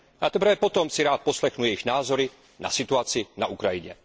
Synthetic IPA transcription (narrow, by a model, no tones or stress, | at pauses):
ʔat̪ɛprvɛpɔt̪ɔmsiɾaːt̪̚pɔslɛxnujɛjiɣnaːzɔɾi | na̰sit̪uat͡sinaʔukɾajiɲɛ̰